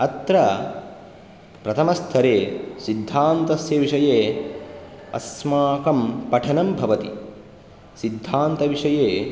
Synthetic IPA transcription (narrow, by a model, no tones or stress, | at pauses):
ɐt̪ɾɐ | pɾɐt̪ʰɐmɐst̪ʰɐɾeːsid̪ʱːaːnt̪ɐsjɐːʋiʂɐjeː | ɐ̰smaːkɐmpɐʈʰɐnɐmbʱɐʋɐt̪ḭ | sid̪ʱːaːnt̪ɐʋiʂɐjeː